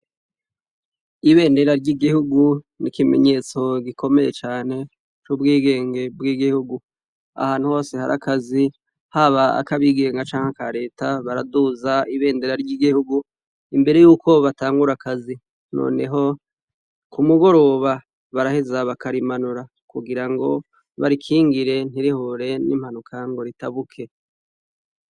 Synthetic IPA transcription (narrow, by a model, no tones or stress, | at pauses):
iβe̞ːnde̞ɾaɾɟiɡihuɡu | nikime̞̰ɲe̞ːt͡so̞ɡiko̞me̞je̞t͡ʃaːne̞ | t͡ʃubɡiːɡe̞ːŋɡe̞bɡiɡihuɡu | a̰haːn̥uho̞ːse̞ha̰ɾʔa̰kazi | haβaa̰kaβiːɡe̞ːŋɡat͡ʃaːŋhakaɾe̞ːtaβaɾaduzaiβe̞ːndeɾaɾɟiːɡihuɡu | imbe̞ɾe̞juːko̞βataːŋɡuɾakazi | no̰ːne̞ɦo̞ | kumuɡo̞ɾo̞βa | βaɾahezaβakaɾimanuɾa | kuɡiɾaŋɡo̞ | βaɾikʰiːŋɡiɾe̞n̥iɾihoɾe̞nḭm̥hanukʰaŋɡo̞ɾitaβukʰe̞